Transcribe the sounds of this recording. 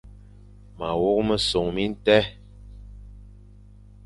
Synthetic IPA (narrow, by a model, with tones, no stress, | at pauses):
ma˨wo˦k̚mə˦so˨ŋmi˦n̩˦tɛ˦